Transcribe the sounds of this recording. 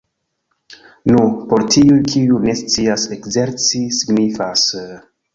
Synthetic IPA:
nupo̞ɾtʰiujkʰiune̞st͡siase̞kze̞ɾt͡sisiɡnifas

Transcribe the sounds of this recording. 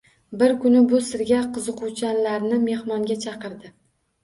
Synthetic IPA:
bɪɾkʰʊnɪbʊsɪɾɡʲaqʰɨzɨqʰut͡ʃʰanlaɾnɪme̞hmɒŋɡʲat͡ʃʰɑqɨɾd̪ɪ

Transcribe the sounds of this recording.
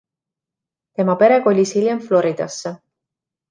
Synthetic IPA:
t̪e̞mɑpe̞ɾe̞ɡo̞lʲisilʲjemflo̞ɾid̪̥ɑ̰sːe

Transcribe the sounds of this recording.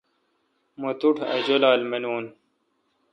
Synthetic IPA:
mot̪uʈʰɐ̰d͡ʑolaːlmenuːn

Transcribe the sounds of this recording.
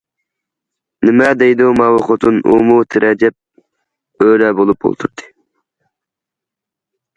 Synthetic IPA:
nɪmɛd̪ejd̪umɑwoχot̪ʰɨnṵmut̪ʰɪɾʔɛd͡ʒɛp̚ | øɾɛbolˠup̚o̰lˠt̪ʰuɾt̪ʰɨ̥

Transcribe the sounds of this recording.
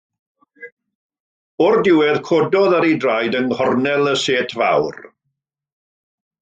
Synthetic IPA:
ɔrdɪwɛðkʰodɔðaɾidrajdənhɔrnɛlˠəseːtʰva̰wr

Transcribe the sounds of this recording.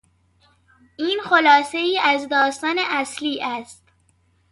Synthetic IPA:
ʔiːnxolɒːse̞iːʔæzd̪ɒːst̪ɒːneʔæsliːʔæst̪

